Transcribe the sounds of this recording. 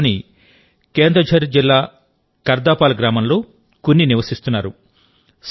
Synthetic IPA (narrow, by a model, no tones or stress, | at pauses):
ni | ke̞ːnd̪ɾɐd͡ʒʱɐɾid͡ʒilːaː | kɐɾd̪aːpaːlɡɾaːmɐmlo̞ː | kunːiniʋɐsist̪unːaːɾu | s